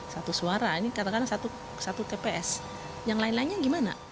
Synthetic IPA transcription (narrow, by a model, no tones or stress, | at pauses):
sat̪usuaɾainikat̪akadaŋsat̪u | sat̪ukepeʔɛs | jaŋlaɪnlaɪnɲaɡimana̰